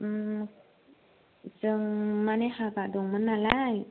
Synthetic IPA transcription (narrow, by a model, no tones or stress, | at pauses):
ʔɯ | sɯŋmanihakadoŋmɯnːalaj